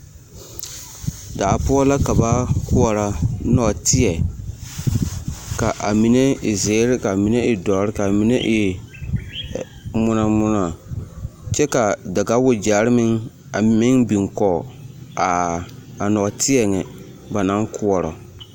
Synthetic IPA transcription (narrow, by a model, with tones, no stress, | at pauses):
da˨a˨pu˦ɔ˦la˦ka˨ba˦kʊ˦ɔ˨ɾa˨nɔ˨tɪ˦ɛ˨ | ka˨ʔa˨mi˨ne˦ɪ˨zeː˨˦ɾɪ˦ka˨mi˨˦ne˦ʔɪ˨dɔ˨˦ɾɪ˦ka˨mi˨˦nḛ˦ʔɪ˦˨ | mʊ˦na˨mʊ˦na˨ | t͡ʃɛ˦ka˨da˨ɡa˦wʊ˨d͡ʒaː˨˦ɾɪ˦mɪ˦ŋ | a˨mɪ˦ŋbi˨ŋkɔ˨a˨a˨nɔ˨tʰɪ˦ɛ˨ŋɛ˨ | ba˨na˦ŋkʰʊ˦ɔ˨ɾɔ̰˨